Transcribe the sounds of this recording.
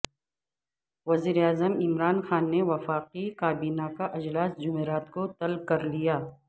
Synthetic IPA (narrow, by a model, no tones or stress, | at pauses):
ʋɐziːɾeaːzəmɪmɾaːnxaːnːeʋɐfaːqikaːbiːnakaʔɐd͡ʒlaːsd͡ʒʊmeːɾaːt̪kot̪ɐlkɐɾlijaː